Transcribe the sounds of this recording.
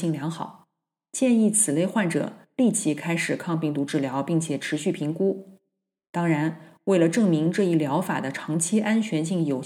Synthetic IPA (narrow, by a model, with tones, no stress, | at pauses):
i˥˩ŋljɑ˧˥ŋxɑ˨˩˦ʊ | t͡ɕjɛ˥˧ni˥˩t͡sʰɹ̩˨˩le˥˧ɪxwa˥˩nʈ͡ʂɤ̰˨˩˦li˥˩t͡ɕʰi˧˥kʰa˥ɪʂɻ̩˨˩kʰɑ˥˧ŋpi˥˩ŋt̪u˧˥ʈ͡ʂɻ̩˥˩ljɑ˧˥ʊpi˥˩ŋt͡ɕʰjɛ˨˩ʈ͡ʂʰɻ̩˧˥ɕy˥˩pʰi˧˥ŋku˥ | t̪ɑ˥ŋɻa˧˥nwe˥˩ɪlə˩ʈ͡ʂɤ˥˩ŋmi˧˥ŋʈ͡ʂɤ˥˧i˥˩ljɑ˧˥ʊfa̰˨˩d̪ə˦ʈ͡ʂʰɑ˧˥ŋt͡ɕʰi˥ʔa˥nt͡ɕʰɥɛ˧˥nɕi˥˩ŋjo˨˩ʊ